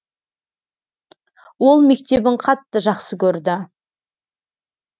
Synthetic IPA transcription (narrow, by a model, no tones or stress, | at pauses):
wo̞lˠme̞k̚t̪e̞bɪŋqʰɑt̪ːəʒɑqsəkʲʰɵɾd̪ɪ